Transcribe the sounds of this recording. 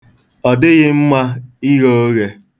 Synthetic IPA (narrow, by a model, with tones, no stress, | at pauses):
ɔ˨dɪ˦ɣɪ˦m̩˦ma˦i˦ɣo˦o˦ɣe˦